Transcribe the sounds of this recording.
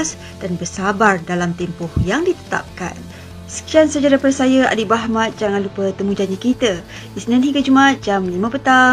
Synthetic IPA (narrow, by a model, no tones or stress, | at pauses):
s | d̥anbərsabardalamt̪empʊhjaŋdit̪ə̥t̪a̰p̚ka̰n | sə̥kiansəd͡ʒaɾapəɾsajəa̰dibaɦmãt̪̚d͡ʒaŋanlupət̪əmũd͡ʒaɲəkit̪ə | isinãnhiɡad͡ʒumaat̪̚d͡ʒamlimə̃pət̪a